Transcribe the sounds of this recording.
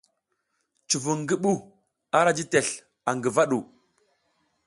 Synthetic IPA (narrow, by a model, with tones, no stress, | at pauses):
t͡ʃu˨vu˨ŋɡi˦ɓu˦ | a˦ɾa˦d͡ʒi˦te˨ɬ | a˨ŋɡə˨va˦ɗu˨